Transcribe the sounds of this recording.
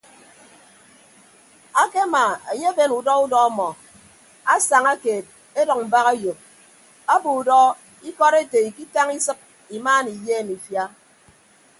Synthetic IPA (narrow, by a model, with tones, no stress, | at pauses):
a˦ke˦ma˨e˨ɲe˦be˦nu˨dɔ˦u˦dɔ˦a˦mɔ˨ | a˦sa˨ŋa˦keː˨t̚ | e˦dɔ˨ŋ̚m̩˨ba˦ɣa˦jo˨k̚ | a˦bu˨u˨dɔ˦ | i˦kɔ˦ɾe˦te˨i˨ki˦ta˦ŋi˦sɨ˦k̚ | i˨maː˦ni˨jeː˦˨mi˨fja˦